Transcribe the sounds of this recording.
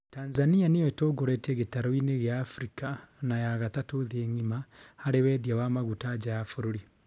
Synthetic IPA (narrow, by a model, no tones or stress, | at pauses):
taːnzanianeoetoɡoɾeteɣetaɾoineɣjaːfɾikanajaɣatatoðeŋimahaɾewedjawamaɣutad͡ʒajafuɾuɾi